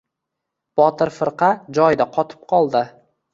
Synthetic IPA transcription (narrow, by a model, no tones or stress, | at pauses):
b̥ɒt̪ʰɪɾfɪɾqʰɑd͡ʒɒjd̪aqʰɒt̪ʰɪ̥p̚qʰɒlˠd̪ɪ